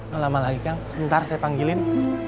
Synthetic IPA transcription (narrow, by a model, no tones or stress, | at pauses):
ŋlamalaɡikaŋsəbənt̪arsajapaŋɡilɪn